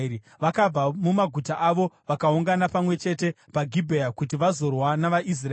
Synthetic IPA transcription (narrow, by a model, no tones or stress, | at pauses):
i | ʋakab͡vamumaɡʱutaʔaʋo̞ʋakauŋɡanapamwe̞t͡ʃe̞te̞ | paɡʱibʱeakutiʋazo̞rwanaʋaʔis̬ra